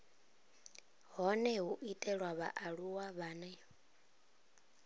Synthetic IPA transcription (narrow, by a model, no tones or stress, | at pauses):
ɦɔnɛɦuʔitʼɛɺwaβa̰ʔaɺuwaβanɛ